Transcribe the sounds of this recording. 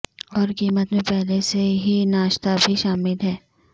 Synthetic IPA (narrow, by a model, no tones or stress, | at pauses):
ɔːɾkiːmət̪mẽpɛɦleseɦinaːʃt̪abʱiʃaːmɪlɦɛː